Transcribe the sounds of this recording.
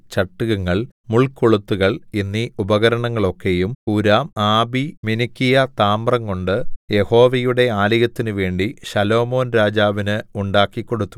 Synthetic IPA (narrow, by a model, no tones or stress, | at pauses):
t͡ɕɐʈːuɣɐŋːɐɭmuɭkoɭut̪ːuɣɐɭinːiubɐɣɐɾɐɳɐŋːɐɭo̞kːe̞jumuɾaːmaːbiminikːijɐt̪aːmbrɐŋkoɳɖɨje̞ho̞ːʋɐjuɽe̞aːliɣɐt̪ːinɨʋe̞ːɳɖiɕɐlo̞ːmo̞ːnɾaːd͡ʑaːʋinɨuɳɖaːkːikːo̞ɽut̪ːu̥